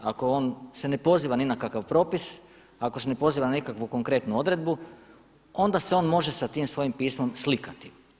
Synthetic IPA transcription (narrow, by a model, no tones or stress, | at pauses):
ako̞o̞ːnse̞ne̞po̞ziːʋaninakakaʋpɾo̞ːpis | ako̞se̞ne̞po̞ziːʋananikakʋuko̞ŋkɾe̞t̪nuo̞d̪ɾe̞d̪̚bu | o̞nd̪aseo̞ːnmo̞ʒe̞sat̪iːmsʋo̞jimpiːsmo̞mslikat̪i